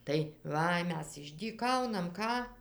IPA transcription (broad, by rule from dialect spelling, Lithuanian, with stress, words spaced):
tɐɪ ˈʋɐ ˈmʲɛs ɪʒʲdʲiːˈkɐʊnɐm ˈkɑː